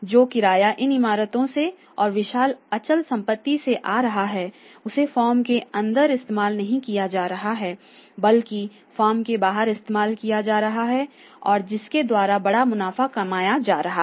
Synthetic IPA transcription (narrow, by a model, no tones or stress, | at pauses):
d͡ʒoːkɪɾaːjaʔɪnɪmaːɾət̪õse | ɔːɾʋɪʃaːlɐt͡ʃəlsɐ̃mpət̪ːiseʔaːɾɐɦaɦɛː | ʊsefɔːmkeɐ̃nd̪əɾɪst̪eːmaːlnɐɦĩkijad͡ʒaːɾɐɦaɦɛː | bɐlki | fɔːɾmkebaːɦəɾɪst̪eːmaːlkijad͡ʒaːɾɐɦaɦɛ | ɔːɾd͡ʒɪsked̪waːɾabɐɽamʊnaːfakɐmaːjad͡ʒaːɾɐɦa